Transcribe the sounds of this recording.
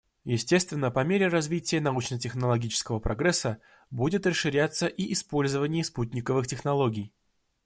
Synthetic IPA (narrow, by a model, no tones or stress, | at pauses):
jɪsʲtʲe̞st̪vʲɪnːəpɐmʲeɾʲɪrɐzvʲitʲɪjənɐut͡ɕnət̬ʲɪxnəlˠɐɡʲit͡ɕɪ̥skəvəpɾʔɐɡɾɛsːə | budʲɪt̪rəʂːɨɾʲat̪sːəʔiʔɪspo̞lʲzəvənʲɪjəsput̚ʲnʲɪkəvɨxtʲɪxnɐlˠo̞ɡʲɪj